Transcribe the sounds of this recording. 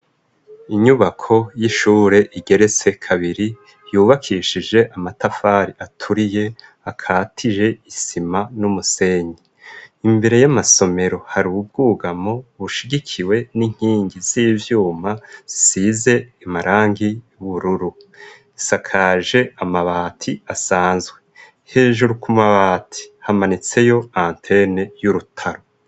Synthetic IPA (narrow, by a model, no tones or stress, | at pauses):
iɲuβakʰo̞jiʃuːɾe̞ʔiɡe̞ɾe̞t͡se̞kʰaβiɾi | juːβakʰiːʃid͡ʒe̞ʔamatafaɾiatʰuɾije̞ | akʰaːtʰiʒe̞isimanumuse̞ːɲi | imbe̞ɾe̞jamaso̞me̞ɾo̞haɾuβub̚ɡuːɡamo̞βuʃiɡikʰiwe̞niŋ̥hiːŋɡiziːvjuːmaz̥isize̞imaɾaːŋɡijuβuɾuɾu | isakʰaːʒe̞amaβaːtʰiasaːnzɡwe | he̞ːʒuɾukʰumaβaːtʰi̥hamanit͡se̞jo̞aːntʰe̞ne̞juɾutʰaɾo̞